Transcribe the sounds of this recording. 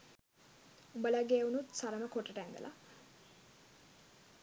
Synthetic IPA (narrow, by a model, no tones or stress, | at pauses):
umbəlaɡeːunut̪saɾəməkoʈəʈæŋɡ̪ə̰lʔa̰